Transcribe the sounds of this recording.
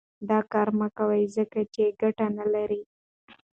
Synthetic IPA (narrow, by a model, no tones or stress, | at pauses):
d̪ɑkɑɾmakawajzəkat͡ʃeɡaʈanalaɾi